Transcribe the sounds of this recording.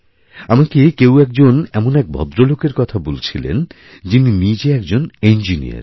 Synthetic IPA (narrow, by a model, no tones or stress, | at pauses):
amakekewɛk̚d͡ʑonɛmonɛk̚bʱɔ̰d̪ɾolokeɾkɔt̪ʰabolt͡ɕʰilḛn | d͡ʑininid͡ʑeɛk̚d͡ʑonend͡ʑinḭa̰ɾ